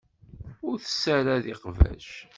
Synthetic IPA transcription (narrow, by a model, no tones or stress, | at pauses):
ʊɾθə̥sːæɾæðɪqvæ̰ʃ